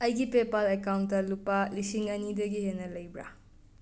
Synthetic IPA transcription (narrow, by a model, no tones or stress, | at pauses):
ɐjɡipepalekawntːɐlupalisiŋɐnidɐɡihenːɐlɐjbɾa̰